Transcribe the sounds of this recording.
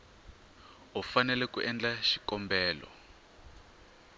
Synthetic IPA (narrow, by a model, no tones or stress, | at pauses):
ufanɛlɛkuʔɛnd͡ɮaʃikɔmbɛːlɔ̰